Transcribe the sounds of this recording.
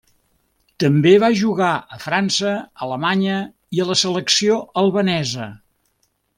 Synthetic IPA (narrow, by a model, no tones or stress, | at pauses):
t̪əmbeβaʒuɣaəfɾansəələmaɲə | iələsələksioəlˠβənɛzə